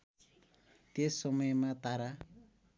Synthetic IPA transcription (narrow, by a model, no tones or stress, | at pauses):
t̪esːʌmʌjmat̪aɾa